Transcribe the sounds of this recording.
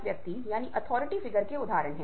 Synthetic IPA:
ʋjɐk̚t̪ijaːniʔɐt̪ʰɔːɾɪʈifɪɡəɾkeʊd̪ʱaːɾəɳɦɛ̃ː

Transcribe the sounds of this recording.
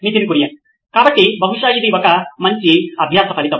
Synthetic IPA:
miːt̪inikuɾijɐ | kaːbɐʈːibʱɐɦuʂaːjid̪iɔkɐmɐɲt͡ʃiɐbʱjaːt̪ɐpʰɐɾit̪ɐ

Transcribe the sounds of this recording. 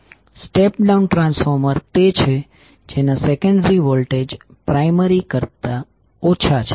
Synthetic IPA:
sʈepɖaunʈɾãnsfɔɾməɾt̪et͡ʃʰe | d͡ʒenasekəɳɖɾiʋolʈed͡ʒ | pɾaiməɾikəɾt̪a | ot͡ʃʰat͡ʃʰe

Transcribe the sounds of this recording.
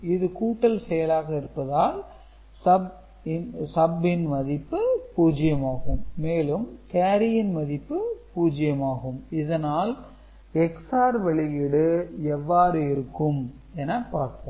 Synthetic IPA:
ɪðɯkuːʈːɐlsɛjɐlaːɣɐɪɾɯpːɐðaːl | sɐb | ɪnsɐbːɪnmɐðɪpːɯpuːd͡ʒɪjɐmaːɣɯmːeːlɯmkeːɾɪjɪnmɐðɪpːɯpuːd͡ʒɪjɐmaːɣɯmɪðɐnaːl | ɛksaːɾʋɛɭɪjɪɽɯɛʋːaːɾɯɪɾɯkːɯm | ɛnːɐpaːɾt̪õː

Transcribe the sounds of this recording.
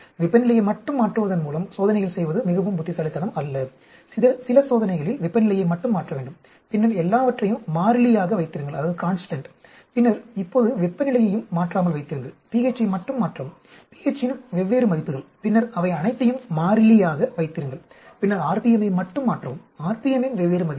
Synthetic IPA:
ʋɪpːɐnɪlɐjɐɪmɐʈːɯmːaːʈrɯʋɐðɐnmuːlɐmsoːðɐnɐɪjɐɭsɛjʋɐðɯmɪɣɐʋɯmbʊt̪ːɪsɐɭɪt̪ːɐnɐmɐlːɐ | ɪɐsɪlɐsoːðɐnɐɪɣɐɭɪlʋɪpːɐnɪlɐjɐɪmɐʈːɯmːaːʈrɐʋeːɳɖɯm | pɪnːɐɾɛlːaːʋɐʈrɐjɯmːaːɾɪlɪjaːɣɐʋɐɪt̪ːɪɾɯŋɡɐɭɐðaːðɯkaːnsʈɐɳʈ | pɪnːɐɾɪpːoːðɯʋɪpːɐnɪlɐjɐjɯmːaːʈraːmɐlʋɐɪt̪ːɪɾɯŋɡɐɭpieːt͡ʃːɐmɐʈːɯmːaːʈrɐʋ | pieːt͡ʃːɪnmʋɛʋːeːɾɯmɐðɪpːɯɣɐɭpɪnːɐɾɐʋɐɪɐnɐɪt̪ːɐjɯmːaːɾɪlɪjaːɣɐʋɐɪt̪ːɪɾɯŋɡɐɭpɪnːɐɾaːɾpijɛmɐjmɐʈːɯmːaːʈrɐʋɯmaːɾpijɛmɪnʋɛʋːeːɾɯmɐðɪpː

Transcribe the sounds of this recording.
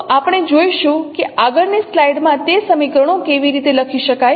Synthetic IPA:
apɽ̃ed͡ʒojʃũkeʔaɡəɾneslaiɖmãt̪esəmikɾəɽokeʋiɾit̪eləkʰiʃəkaj

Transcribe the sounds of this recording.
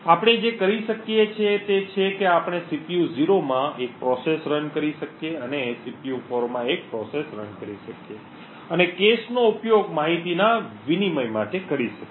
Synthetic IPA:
apɽ̃ed͡ʒekəɾiʃəkjet͡ʃʰet̪et͡ʃʰekeapɽ̃esipijuziɾomãek̚pɾɔsesɾənkəɾiʃəkijeənesipijufoɾmãek̚pɾɔsesɾə̰nkəɾiʃəkije | ənekesnoupjoɡmaɦit̪inaʋiniməjmaʈekəɾiʃək

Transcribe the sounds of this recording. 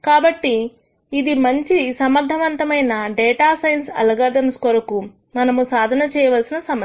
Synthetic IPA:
kaːbɐʈːiː | d̪imɐɲt͡ʃisɐmɐɾd̪ʱɐʋɐnt̪ɐmɐjnɐɖɛːʈaːsɐjɐnsɐ̰lɐɡaːd̪ɐnskɔɾɐku | mɐnɐmusaːd̪ʱɐnɐt͡ʃɛːjɐʋɐlsinɐsɐm

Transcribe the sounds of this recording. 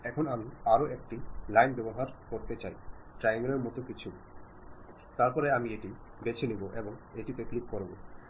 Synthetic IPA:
ɛkʰonamiaɾoʔek̚ʈilajnbɛboɦaɾkoɾt̪et͡ɕajʈɾajiŋɡɾeɾmɔt̪okit͡ɕʰu | t̪aɾpɔɾeamieʈibet͡ɕʰiniboʔeboŋeʈit̪eklikkoɾbo

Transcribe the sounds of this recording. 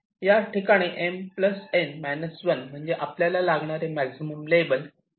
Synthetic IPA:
jaʈikaɽ̃iʔempləsenmajnəsʋənm̤əɳd͡zeʔapljalalaɡɳaɾemæksiməmlebəl

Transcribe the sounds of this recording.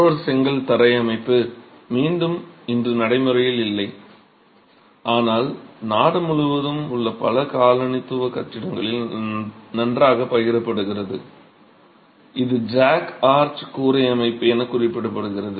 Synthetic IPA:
ɐɾsɛŋɡɐɭt̪ɐɾɐɪɐmɐɪpːɯ | miːnɖɯmɪndrɯnɐɽɐɪmɯɾɐjɪlɪlːɐɪ | ʔaːnaːlnaːɽɐmʊɻʊʋɐðɯmʊɭːɐpɐlɐkaːlɐɳɪt̪ːɯʋɐkɐʈːɪɽɐŋɡɐɭɪl | nɐndraːɣɐpɐjɪɾɐpːɐɽɯɣɪrɐðɯ̰ | ʔɪðɯd͡ʒaːkaːɾt͡ʃkuːɾɐɪɐmɐɪpːɯɛnɐkʊrɪpːɪɽɯpːɐɽɯɣɪrɐðɯ

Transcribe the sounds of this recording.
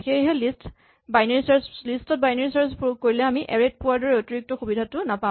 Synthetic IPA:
keɦɛlist | bajnaɹisaɹslistɔt̚bajneɹisaɹspuuk̚kːoɹilɛamiʔɛɹed̚pʊwadɔɹɛotiɹik̚tɔxubidʱatʊnapã

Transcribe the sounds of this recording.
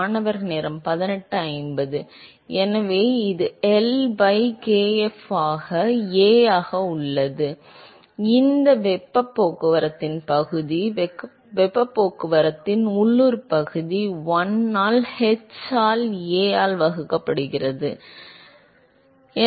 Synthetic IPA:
nɐʋɐɾneːɾɐmpɐðɪnɛʈːɯɐɪmbɐðɯ | ɛnɐʋeːɪðɯɛlbɐɪkeːɛfaːɣɐeːjaːɣɐʊɭːɐðɯ | ɪnd̪ɐʋɛpːɐpːoːkːɯʋɐɾɐt̪ːɪnpɐɣɯði | ʋɛpːɐpːoːkːɯʋɐɾɐt̪ːɪnʊɭːuɾpɐɣɯðiwɔnːaːlhɛt͡ʃaːleːjaːlʋɐɣɯkːɐpːɐɽɯɣɪrɐðɯ | ɛ

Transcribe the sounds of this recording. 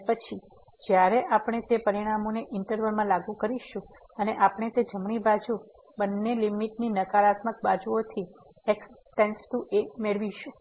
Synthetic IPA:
pət͡ʃʰi | d͡ʒjaɾeʔapɽ̃et̪epəɾiɽ̃amoneʔɪɳʈəɾʋəlmãlaɡukəɾiʃũ | əneʔapɳ̃et̪ed͡ʒəmɳ̃ibad͡ʒu | bənːelimiʈninəkaɾat̪mək̚bad͡ʒuot̪ʰi | eksʈenkst̪ũʔemeɭʋiʃũ

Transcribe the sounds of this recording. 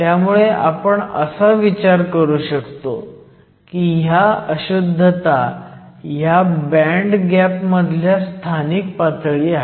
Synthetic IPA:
t̪jamuɭeʔa̰pəɳə̰saʋit͡ɕaɾkəɾuːɕəkt̪o̰ | kiːɦjaəɕud̪ʱːət̪a | jabæɳɖɡæpməd̪ʱljast̪ʰanik̚pat̪ɭiaɦ

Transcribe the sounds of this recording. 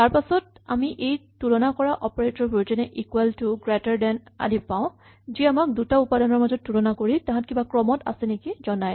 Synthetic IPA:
taɹpasɔta̰miʔejtuɹɔnakɔɹaʔɔpɔɹetɔbud͡ʒɔnɛʔikwɛltuɡɹɛtaɹdɛna̰dipaʊ̃ | ziamak̚dutaupadanɔɹmazɔt̚ːuɹɔnakoɹitãɦãt̚kibakɹɔmɔta̰sɛnekizɔnaj

